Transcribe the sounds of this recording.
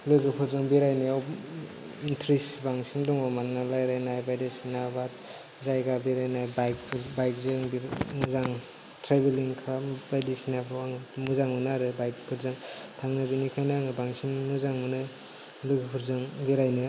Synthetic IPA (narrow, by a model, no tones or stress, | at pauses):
lɯɡɯpʰɯɾzɯŋbiɾajnɯaw | intʰɾisbaŋsindɔŋɔmanŋalajɾajnajbajdesinabat | zajɡabiɾajnajbajkpʰbajk̚zɯŋbmuzaŋ | tʰɾebeliŋkʰabajdesinabʰɯaŋmuzaŋmɯnaɾɯbajkpʰɯɾzɯŋ | tʰaŋnɯdinikʰajnaŋɯbaŋsinmɯzaŋmɯnɯ | lɯɡɯpʰuɾzɯŋbiɾajnɯ